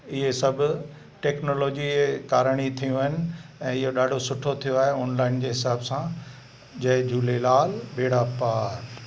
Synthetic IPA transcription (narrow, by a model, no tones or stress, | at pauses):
ɪɦesɐbʱʊ | ʈeːknoːloːd͡ʑiekaːɾəɽ̃it̪ʰijũɦɪnɪ̆ɛ̃ːɪɦoɗaːɖʱosʊʈʰot̪ʰijoaːɦeɔːnlaːɪnd͡ʑeːɦɪsaːbsã | d͡ʑɐ̃ɦɪ̃d͡ʑuːlelaːlbeːɽapaːɾ